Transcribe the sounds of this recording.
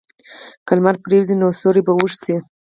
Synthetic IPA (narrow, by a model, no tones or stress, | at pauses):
kalmaɾpɾewzinosoɾibawuʂsi